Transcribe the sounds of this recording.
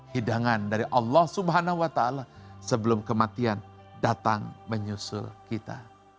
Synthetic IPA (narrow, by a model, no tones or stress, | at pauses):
hidaŋandaɾiʔɑlːɑhsubɦanahuwat̪aːlasəbəlʊmkəmat̪ian | dat̪aŋməɲusʊ̰lkit̪a̰